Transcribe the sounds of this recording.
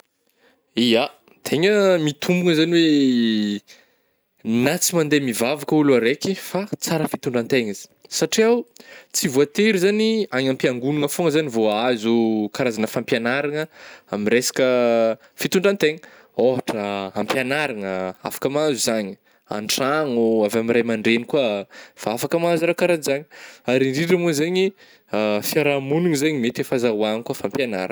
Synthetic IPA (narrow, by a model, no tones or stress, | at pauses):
ia | t̪ʰeŋəmit̪ʰumbuŋəzaniwe | nat͡simand̪emivavakəuluaɾekifat͡saɾəfit̪uɳɖ͡ʐant̪eŋazi̥saʈ͡ʂiawt͡sivuat̪eɾizaniaŋampiaŋɡunuŋəfoŋəzanivoazukaɾazanəfampjanaɾaŋəamiresḁkə | fit̪uɳɖ͡ʐant̪eŋə | oɦaʈ͡ʂəampjanaɾaŋəa̰fḁkəmazuzaɲi | a̰ɳʈ͡ʂaŋuavamirajmaɳɖ͡ʐenikuafaafakəmazaɾawkaɾazizaɲiaɾiɳɖ͡ʐiɖ͡ʐəmuzaɲi | afiaɾamunuŋizaɲimet̪efazauaŋikuafampjana̰ɾa̰